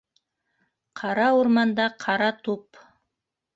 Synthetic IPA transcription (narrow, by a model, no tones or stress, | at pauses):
qʰɑɾɑwoɾmɑnd̪ɑqʰɑɾɑt̪ʰup